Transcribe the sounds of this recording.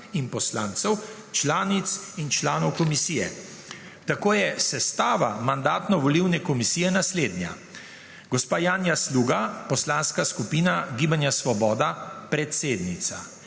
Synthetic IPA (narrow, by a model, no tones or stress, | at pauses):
inpɔslaːnt̪sɛw | t͡ʃlaːnit̪sint͡ʃlaːnɔwkɔmisiːjɛ | t̪akoːjɛsɛst̪aːʋamand̪aːt̪nɔʋɔliwnɛkɔmisiːjɛnasleːd̪nja̰ | ɡɔspaːjaːnjasluːɡapɔslanskaskupiːnaɡiːbanjasʋɔbɔːd̪apɾɛt̪seːd̪nit̪sa